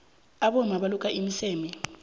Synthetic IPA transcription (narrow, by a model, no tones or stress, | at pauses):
aɓɔmaɓalukʼaʔimiseːmi